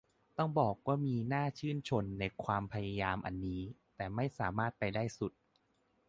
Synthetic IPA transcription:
t̪ɔ˥˩ŋbɔː˨˩k̚waː˥˩miː˧naː˥˩t͡ɕʰɯː˥˩nt͡ɕʰo˧nːa˧jkʰwaː˧mpʰa˧ja˧jaː˧mʔa̰˧nːiː˦˥t̪ɛː˨˩ma˥˩jsaː˩˦maː˥˩t̪̚pa˧jdaː˥˩jsu˨˩t̪̚

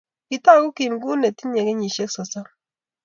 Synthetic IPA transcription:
ki˨ta˦˨ku˦ki˨nɡu˦ne˨ti˦ɲe˨kɛ˦ɲi˨ʃe˦k̚sɔ˨sa˦

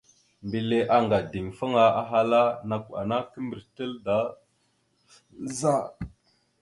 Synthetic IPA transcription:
mbi˨le˦ʔa˦ŋɡa˨di˨ŋfa˦ŋa˦a˦ɦa˦la˦na˨ku˨a̰˨na˦kə˦mbə˨ɾtə˦lda˦ | za˦˨

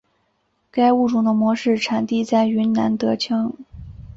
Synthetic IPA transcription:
ka˥ɪu˥˩ʈ͡ʂu˨˩ŋd̪ə˧˦mwɔ˧˥ʂɻ̩˥˩ʈ͡ʂʰa˨˥nt̪i˥˧t͡sa˥˩ɪy˧˥nna̰˧˥nt̪ɤ˧˥t͡ɕʰɤ˥ŋ

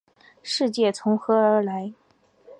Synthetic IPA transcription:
ʂɻ̩˥˧t͡ɕjɛ˥˩t͡sʰʊ˧˥ŋxɤ˧˥ə˞˧˥la˧˥ɪ

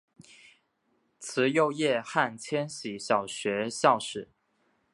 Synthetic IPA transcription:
t͡sʰɹ̩˧˥jo˥˧ʊjɛ˥˧xa˥˩nt͡ɕʰjɛ˥nɕi˨˩ɕjɑ˨˩ʊɕɥɛ˧˥ɕjɑ˥˩ʊʂɻ̩˨˩˦

